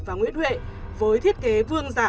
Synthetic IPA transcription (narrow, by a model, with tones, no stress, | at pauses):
vaː˨˩ŋwḭ˧˥ənhwḛ˧˨vəː˨˦jt̪ʰi˦˥ət̚ke˨˦vɨ˧əŋzaː˧˩